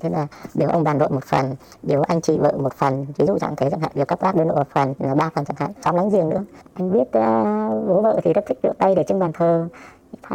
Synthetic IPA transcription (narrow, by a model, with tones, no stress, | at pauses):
t̪ʰe˨˦maː˨˩ɗe˨˦wʔə˧wŋ͡mɓaː˨˩nɗo̰˧˨jmo˨˩t̚fə˨˩n | ɗe˨˦wʔa˧jŋ̟t͡ɕḭ˧˨və̰ː˧˨mo˨˩t̚fə˨˩nvi˨˦zṵ˧˨t͡ɕa̰ː˧˨ŋt̪ʰə˨˦jza˧˩ŋha̰ː˧˨˩ɗɨ˨˩kːa˦˥p̚ʔaː˦˥ɗəː˧nɗo̰˧˨a˨˩fə˨˩n˨laː˨˩ɓaː˧fə˨˩nt͡ɕaː˧˩ŋha̰ː˧˥jt͡ɕɔ˨˦ŋ͡mla˨˦ŋzi˧˨˩əŋnɨ̰˧˥əʔa˧jŋɓi˦˥ət̚ːvo˨˦və̰ː˧˨t̪ʰi˨˩zə˦˥t̚t̪ʰï˦˥k̚vḭ˧˨wt̪ə˧jɗe˧˩t͡ɕɨ˧ŋɓaː˨˩nt̪ʰəː˨˩˨ | a˧